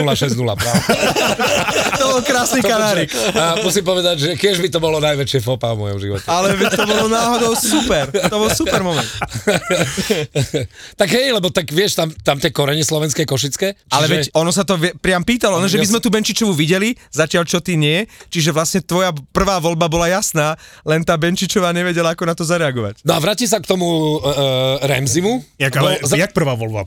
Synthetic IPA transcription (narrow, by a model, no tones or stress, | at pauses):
laʃɛznula̰ɾa | t̪ɔbɔlkɾaːsnikanaːɾikːmusimpɔʋɛd̪aɟʒɛkɪɛʒbit̪ɔbɔlɔnajʋɛt͡ʃɪɛfɔpaɔmɔjɔ̰mʒḭʋɔ̰tɛalɛʋɛct̪ɔbɔlɔnaːɦɔd̪ɔʊsupɛɾt̪ɔbɔlsupɛɾmɔmɛn | t̪aɡɦɛjlɛbɔt̪aɡʋɪɛʃt̪amt̪amt̪ɪɛkɔɾɛɲɛslɔʋɛnskɛːkɔʃ̬it͡skɛːʔt͡ʃaliɛʒʋɛɛcɔnɔs̬at̪ɔʋɛpɾɪampiːt̪alɔɔnɔʒɛmizmɛt̪uːbɛnt͡ʃit͡ʃɔʋuʋiɟɛli | zacɪalt͡ʃɔt̪iːɲɪɛt͡ʃiʒɛʋlasɲɛt̪ʋɔjapr̩ʋaːʋɔlbabɔlajasnaː | lɛnt̪aːbɛnt͡ʃit͡ʃɔʋaːɲɛʋɛɟɛlaakɔnat̪ɔzaɾɛaɡɔʋa̰cnɔaʋɾaːcis̬akt̪ɔmu | ɾɛ̰mzimujakaɛjak̚pr̩ʋaːʋɔlba̰